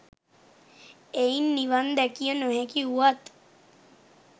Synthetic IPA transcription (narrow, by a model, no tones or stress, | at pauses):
einːiʋand̪ɛkijənuɦekiuʋat̪